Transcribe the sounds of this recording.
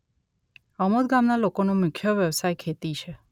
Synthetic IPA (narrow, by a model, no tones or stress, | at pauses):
əmod̪̚ɡamnalokonũmʊkʰːjəʋjəʋsajkʰet̪it͡ʃʰe